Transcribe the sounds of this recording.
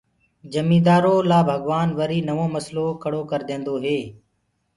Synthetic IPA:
d͡ʒəmiːd̪aːɾoːlaːbʱəɡʋaːnʋəɾiːnəʋoːməsloːkəɽoːkəɾd̪ẽːnd̪oːɦeː

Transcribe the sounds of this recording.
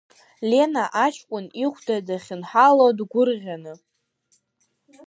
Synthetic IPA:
lʲe̞naʔat͡ʃʰkʷʼʊniχʷdadaχʲɪnħalodɡʷʊrʁʲanɨ

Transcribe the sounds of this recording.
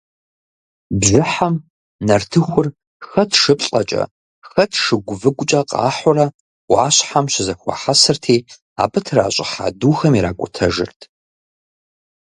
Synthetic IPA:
bʒɪħam | nɐrtʰɨxʷʊr | xɐtʰʂɨpɬʼɐt͡ʃʼɐ̰ | xɐtʰʂɨɡʷʊvɨɡʷʊt͡ʃʼɐqʼɑ̰ːħʊrɐ | waːɕħamɕɪzɐxʷa̰ħasɨrtʰiː | a̰ːbɨtʰra̰ːɕʼɪ̰ħa̰duːxɐmiɾaːkʷʼʊtʰɐʒɨ̰rtʰ

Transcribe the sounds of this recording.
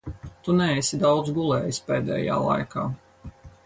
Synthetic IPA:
t̪unɛɛsid̪awd̪zɡulˠɛːjisʲpeːd̪ɛ̰ːja̰ːlˠa̰jkaː

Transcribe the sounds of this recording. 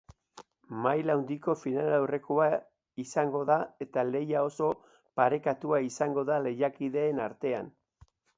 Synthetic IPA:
majlawnd̪iko̞finalawre̞koa | isaŋɡo̞ðae̞t̪ale̞jao̞so̞ | paɾe̞kat̪uaisaŋɡo̞ðale̞jakiðe̞ːnaɾt̪e̞an

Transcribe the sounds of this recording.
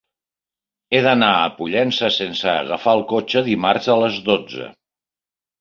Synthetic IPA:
eðənaəpuʎɛnsəsensə̰ːɣəfaəlˠkot͡ʃəðimarzələzðod͡zə̰

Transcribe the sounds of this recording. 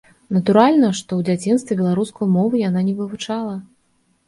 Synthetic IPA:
nɐt̪uɾalʲnɐʂt̪ɔwd͡zʲat͡sʲinst̪vʲɛbʲɛlˠaɾuskujmɔvɨjananʲɛvɨvut͡ʂalˠɐ

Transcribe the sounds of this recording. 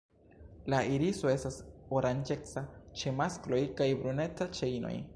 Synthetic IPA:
laiɾiso̞e̞stasoɾand͡ʒe̞t͡sat͡ʃe̞masklo̞jkajbɾune̞t͡sat͡ʃejno̞̰j

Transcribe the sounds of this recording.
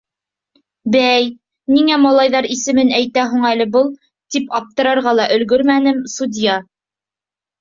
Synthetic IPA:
bæj | niŋæmɑlˠɑjðɑɾisɘ̆mɘnæjt̪æɦuɴælɘ̆bɤlˠ | t̪ipɑp̚t̪ɤ̆ɾɑɾʁɑlˠɑʔɵ̆lɡɵɾmænɘmsud̪ʲjɑ

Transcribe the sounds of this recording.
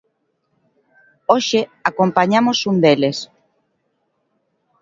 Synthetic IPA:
oʃeakompaɲamosund̪eles

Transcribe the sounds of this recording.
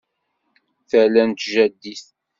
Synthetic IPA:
θælænt̪ʒæd̪ːiθ

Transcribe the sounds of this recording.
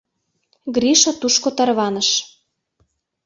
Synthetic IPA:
ɡriʃɑt̪uʃkot̪ɑrβɑnə̆ʃ

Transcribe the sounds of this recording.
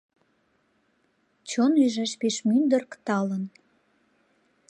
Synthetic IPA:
t͡ɕonyʒæʃpeʃmynd̪ərkt̪ɑlən

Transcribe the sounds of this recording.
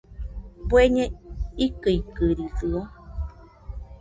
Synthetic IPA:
pweɲẽikɨikɨɾisɯo

